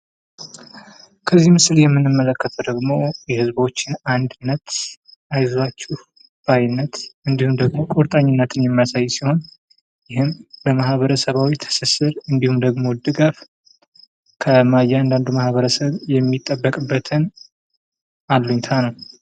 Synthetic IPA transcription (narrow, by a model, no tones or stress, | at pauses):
kʰəzːihmɨsɨljɛmːɨnːɨmːələkːət̪ʰəd̪əɡmo̞jɛhɨzbo̞t͡ʃːɪnand̪ɨnːət̪ʔajzat͡ʃːuh | b̥ajnːət̪ɨnd̪ihumd̪əɡmo̞kʼoɾt̪ʼaɲːɪnːət̪ɨnjɛmːijasajːsiho̞n | jɪɦɨnbəmahβəɾəsəβawit̪ʰə̥sɨsɨɾɨnd̪ihumd̪əɡmo̞d̪ɨɡaf | kʰəmajːɛand̪and̪umahβəɾəsəβjɛmːit̪ʼːəbːəkʼɨbːət̪ʰɨn | ʔalːuɲt̪ʰanəw